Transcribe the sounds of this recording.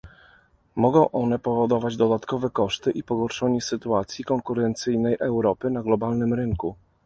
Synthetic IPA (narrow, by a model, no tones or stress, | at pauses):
mɔɡɔ̃w̃ʔɔnɛpɔvɔd̪ɔvad͡ʑd̪ɔd̪at̪kɔvɛkɔʂt̪ɘʔipɔɡɔɾʂɔɲɛsɘt̪uat̪sʲjikɔŋkuɾɛnt̪sɘjnɛjʔɛwɾɔpɘnaɡlɔbalnɘmɾɘŋku